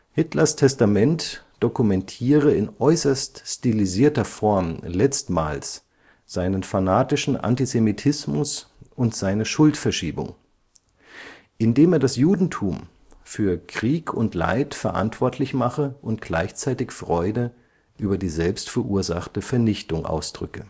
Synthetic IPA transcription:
hɪtlɐstʰɛstamɛntd̥okumɛntʰiːʁ̞əɪnʔɔʏsɐststiliziːɐtɐfɔɐmlɛt͡stma̰ːls | z̥aɪnənfanaːtɪʃn̩ʔa̰ntizemitʰɪsmʊsʔʊntz̥aɪnəʃʊltfɛɐʃiːbʊ̰ŋ | ʔɪndeːmeːɐdasjuːdn̩tʰuːm | fyːɐkʁ̥iːkʰʊntla̰ɪtfɛɐʔa̰ntv̥ɔɐtʰlɪçmaχəʔʊnt̚ɡ̥la̰ɪçt͡saɪtɪçfʁ̥ɔʏdə | ʔyːbɐdiːzɛlpstfɛɐʔuːɐza̰χtəfɛɐnɪçtʊŋʔa̰ʊsd̥ʁʏ̰kə

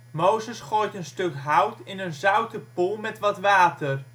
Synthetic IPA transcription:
mowzəsχoːjtənstɵkɦʌwtɪnənzœwtəpulˠmɛtʋɑtʋaːtər

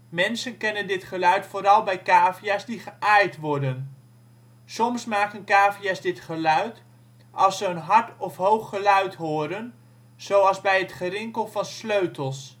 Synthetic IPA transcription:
mɛnsənkɛnəndɪtχəlœɥtfʊːɾɑlˠbɛjkaːvijaːzdiχəʔaːjtʋɔɹdən | sɔmsmaːkənkaːvijazdɪtχəlœɥt | ʔɑlˠsəənɦɑɹtɔfɦowχːəlœɥtɦoːɾən | z̥owɑlˠzbɛjətχəɾɪŋkəlˠvɑnsløɥtəlˠs

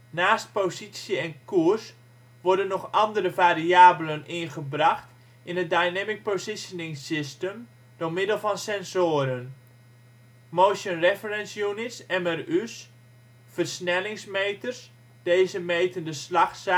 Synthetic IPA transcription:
naːst̚pozisjəɛnkurs | ʋɔrdənːɔχɑndəɾəvaːɾiaːbələnɪnχəbrɑxt | ʔɪnət̚dajnɛmɪk̚pozɪsənɪŋsɪstəm | d̥omɪdəlˠvɑnsɛnzoːəɾən | moːʃənrɛfərɛnsjunɪsɛmɛrys | fərsnɛlɪŋsmejtərs | d̥eːjzəmejtəndəslɑχs

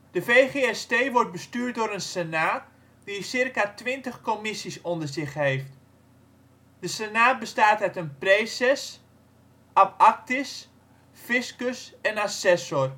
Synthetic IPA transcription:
dəfejχeɛsteːʋɔrt̚bəstyːrt̚dʊːɾənsenaːt | disɪrkatʋɪntəχkomɪsisɔndərzɪχɦeft | dəsenaːt̚bəstaːtɛtənpreːsɛs | apak̚tɪs | fɪskəsɛnasɛsɔr

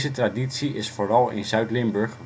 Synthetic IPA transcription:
zətraditsiɪsfoːrɑlˠɪ̰nzœɥtlɪmbɵɹχ

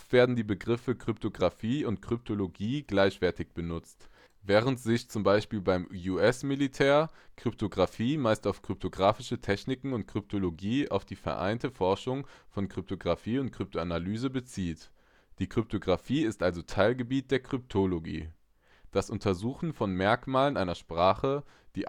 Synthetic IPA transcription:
ftv̥eːɐdn̩diːbəɡʁɪfəkʁ̥ʏptʰoɡʁafiːʊntkʁ̥ʏp̚tʰoloɡiːɡ̥laɪçv̥ɛɐtɪçb̥ənʊt͡st | vɛːʁ̞əntz̥ɪçt͡sʊmbaɪʃpiːlbaɪmjuɛsmilitʰɛːɐkʁ̥ʏp̚tʰoɡʁafiːmaɪstaʊfkʁ̥ʏp̚tʰoɡʁaːfɪʃətʰɛçnɪkŋ̩ʊntkʁ̥ʏp̚tʰoloɡiːa̰ʊfd̥iːfɛ̰ɐʔa̰ɪntəfɔɐʃʊŋfɔnkʁ̥ʏp̚tʰoɡʁafiːʊnt̚kʁ̥ʏp̚tʰoanalyːzəbət͡siːt | d̥iːkʁ̥ʏp̚tʰoɡʁafiːɪstʔalzotʰaɪlɡəbiːt̚d̥eːɐkʁ̥ʏp̚tʰoloɡḭː | d̥asʔʊntʰɐzuːxn̩fɔnmɛɐkmaːlənʔaɪnɐʃpʁ̥aːχə | d̥iː

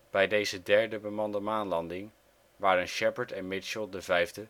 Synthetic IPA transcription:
b̥ɛjdejzədɛɹdəbəmɑndəmaːnlɑndɪŋ | ʋaːɾənʃɛpəɹtɛnmɪt͡ʃəlˠdəvɛjvdə

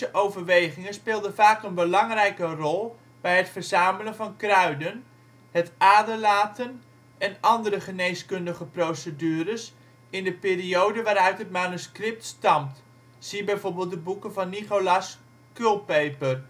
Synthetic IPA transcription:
əʔowvərʋejχɪŋəspɪːlˠdəvaːkənbəlɑŋrɛjkərɔlˠ | bɛjɦətfərz̥aːmələnvɑnkrœɥdən | hətaːdəlaːtən | ɛnɑndəɾəχəneːskɵndəχəprowsədyːɾəs | ɪndəpeːriowdəʋaːɾœɥtɦət̚manuskrɪp̚tstɑmt | siəbɛjvoɹbɪːlˠt̚dəbukəvɑnːiχowlas | kølˠpejpər

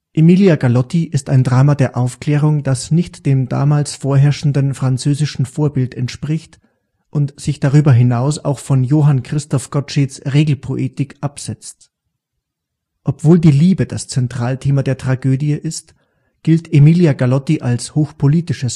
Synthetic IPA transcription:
ʔemiljaɡalɔtiʔɪstaɪndʁaːmadeːɐʔaʊfkl̥ɛːʁ̞ʊŋd̥asnɪçtd̥eːmda̰ːmaːlsfoːɐɦɛɐʃn̩dənfʁ̥ant͡søːzɪʃn̩foːɐbɪltɛntʃpʁ̥ɪçt | ʔʊntz̥ɪçd̥aʁ̞yːbɐɦɪnaʊsa̰ʊxfɔnjoːɦankʁ̥ɪstɔfɡ̥ɔʃesʁeːɡl̩pʰoʔetɪkʔapz̥ɛt͡st | ʔɔpv̥oːldiːliːbəd̥ast͡sɛntʁ̥aːltʰeːmadeːɐtʁ̥aɡøːdiəʔɪst | ɡ̥ɪltʰemiːljaɡalɔtiʔalshoːxpʰoliːtɪʃəs

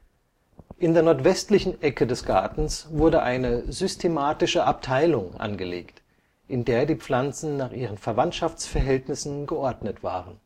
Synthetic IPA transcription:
ʔɪndeːɐnɔɐtv̥ɛstlɪçn̩ʔɛkədɛsɡ̥aɐtn̩sv̥ʊɐdəʔaɪnəzʏstʰemaːtɪʃəʔap̚tʰaɪlʊŋʔa̰nɡəlḛːkt | ʔɪndeːɐdiːp͡flant͡sn̩naːχʔiːʁ̞ənfɛɐvantʃaft͡sfɛɐɦɛltnɪsn̩ɡəʔɔɐdnətv̥a̰ːʁən

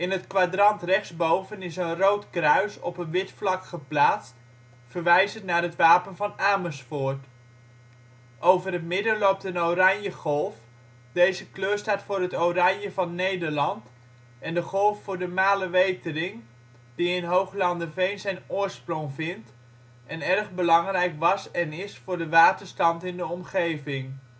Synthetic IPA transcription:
ɪnɦətkʋadrɑntrɛχzbowvənɪsənrowtkrœɥsɔ̰pənʋɪtflɑkχəplaːtst | fərʋɛjzətnaːrɦətʋaːpənvɑnaːməsfʊːɹt | ʔowvərɦətmɪdəlop̚tənowrɑnjəχɔlˠf | dejzəkløːstaːtfʊːrɦətowrɑɲjəvɑnːejdəɹlɑnt | ɛndəχɔlˠfːʊːɹdəmaːləʋejtərɪŋ | diɪnɦowχlɑndəvejnzɛjnʊːɹsprɔŋvɪnt | ʔɛnɛrχbəlɑŋrɛjkʋɑsɛnɪsfʊːɹdəʋaːtəɹstɑntɪndəɔmχejvɪŋ

